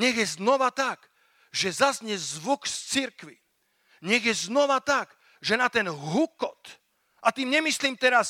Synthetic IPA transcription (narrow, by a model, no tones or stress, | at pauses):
ɲɛɣjɛznɔʋat̪aɡ | ʒɛzazɲɛzʋukst͡siɾkʋi | ɲɛɣjɛznɔʋat̪aɡ | ʒɛnat̪ɛnɦukɔt̪ | ʔat̪iːmɲɛmisliːmt̪ɛɾas